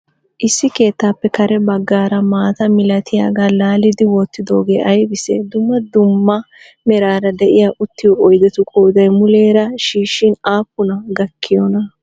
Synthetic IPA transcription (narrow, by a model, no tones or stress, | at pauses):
ʔɪsːɪke̞ːt̪ːaːpːɛkɐɾɛbɐɡːaːɾɐmaːt̪ɐmɪlɐt̪ʰɪja̰ːɡaːlaːlɪd̪ɪwot̪ːɪd̪o̞ːɡe̞ːʔɐjbɪsɛ̰d̪ʊmːɐd̪ʊmːɐ | mɛɾaːɾɐd̪ɛʔɪjaːʔʊt̪ːɪwɔʔɔjd̪ɛt̪ʊkʼoːd̪ɐjmʊle̞ːɾɐʃiːʃːɪnaːpːʊnɐɡɐkʰːɪjɔnɐ